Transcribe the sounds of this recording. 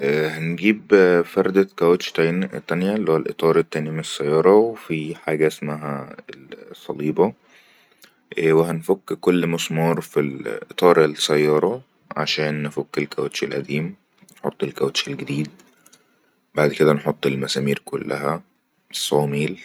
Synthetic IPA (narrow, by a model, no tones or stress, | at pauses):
ʔhænɡiːbfæɾˤd̪ækæwæt̪ʃt̪æt̪ːænjælːioælʔet̪ˤɑːɾˤet̪ːæːnjæmenesːæjːɑːɾˤɑwefiħaːɡæʔesmæɦæ̰elsˤːɑliːbɑ | weɦænfokːkolːmʊsmɑːɾˤfilʔet̪ˤɑːɾˤelsæjːɑːɾˤɑ | ʕa̰ʃæːnːefokːelkæwæt̪ʃelʔæ̰d̪iːm | nħo̰t̪ˤːelkæwæt̪ʃelɡed̪iːd̪̚ | baʕd̪ked̪ænħot̪ˤːelmæsæːmiːɾkolːæ̰ɦæ | sˤːɑːmiːl